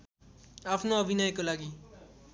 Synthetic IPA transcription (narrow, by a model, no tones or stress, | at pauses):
aːpʰnoəbʱinajkolaːɡiː